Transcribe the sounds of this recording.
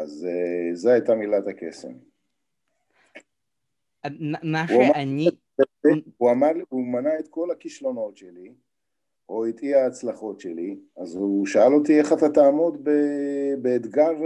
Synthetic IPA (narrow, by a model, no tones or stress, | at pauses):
azezeat̪amilat̪akḛsḛm | mauama | uamaʁlumanaet̪ko̞lakiʃlo̞no̞tʃeli | oit̪iaːt͡slaχo̞tʃeliazuʃaalo̞t̪ie̞χat̪at̪aːmo̞d̪bebeːd̪ɡav